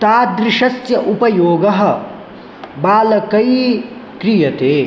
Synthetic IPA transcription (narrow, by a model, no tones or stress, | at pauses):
t̪aːd̪ɾɪʂɐsjɐʔupɐjoːɡɐɦɐ̆ | baːlɐkɐi | kɾijɐt̪eː